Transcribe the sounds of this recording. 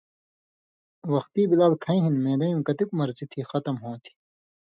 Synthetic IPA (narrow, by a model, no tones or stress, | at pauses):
wɐxt̪iːbilaːlkʰɐ̃ĩɦinmẽːd̪ɐjũːkɐt̪ikumɐɾzit̪ʰixɐt̪ɐmɦõːt̪ʰi̥